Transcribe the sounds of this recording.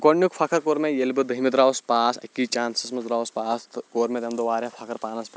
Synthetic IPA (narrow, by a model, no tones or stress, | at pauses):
ɡoɳjukfʰaːkɐɾkoːɾmẽjelbɨd̪ɐɦimid̪ɾaːʋspaːsɐ̰kːit͡ʃaːnsɐsmɐzɾaːʋspaːst̪koːɾmẽd̪ɐmd̪oʋaːɾãfʰakɐɾpaːnɐspʲe